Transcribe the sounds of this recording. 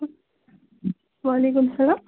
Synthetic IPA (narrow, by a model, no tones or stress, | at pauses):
ʋaːleːk̬ʊmsɐlaːm